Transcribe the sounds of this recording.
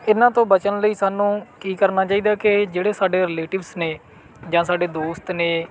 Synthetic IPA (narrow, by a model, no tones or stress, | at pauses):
ɪnãːt̪õːbət͡ʃənləiːsaːnũːkiːkəɾnaːt͡ʃaːiːd̪aːkɪd͡ʒeːɽeːsaːɖeːɾɪleːʈɪʋsneː | d͡ʒãːsaːɖeːd̪oːst̪neː